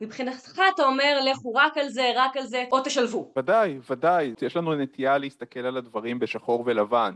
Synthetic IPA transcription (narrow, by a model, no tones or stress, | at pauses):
mipχinat̪χaːt̪ao̞me̞ʁle̞χuʁakalze̞ʁakalze̞ʔot̪eʃalvuvad̪ajvad̪ajjeʃlanunet̪ʰijaleist̪ake̞lalad̪vaʁimbeʃaχo̞ʁvelavan